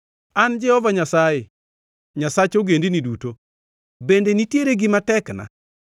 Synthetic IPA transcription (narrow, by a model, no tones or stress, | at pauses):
and͡ʒɛhɔvaɲasaje | ɲasat͡ʃoɡendiniduto | bendenitjeɾeɡɪmatɛkna̰